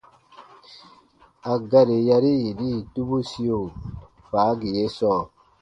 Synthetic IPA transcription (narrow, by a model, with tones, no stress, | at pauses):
a˨ɡa˦˨ɾe˨ja˧ɾi˦je˨diː˦˨tu˦bu˦si˦o˨ | faː˨˦ɡi˨je˦sɔː˦˨